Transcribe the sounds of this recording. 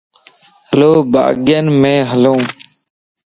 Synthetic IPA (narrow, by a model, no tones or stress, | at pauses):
həloːba̰ːɡjənmẽːɦəlõː